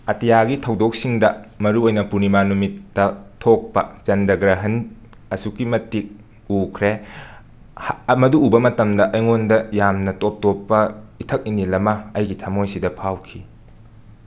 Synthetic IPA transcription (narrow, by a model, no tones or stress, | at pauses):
ɐtijaɡitʰɐwdok̚siŋdɐmɐɾuojnɐpunimanumitːɐtʰok̚pɐt͡ʃɐndɐɡɾɐɦɐn | ɐsukːimɐtik̚ | ukʰɾe | mɐduːbɐmɐtɐmdɐʔɐjŋondɐjamnɐtop̚topːɐitʰɐk̚inilɐmɐɐjɡitʰɐmojsidɐpʰawkʰi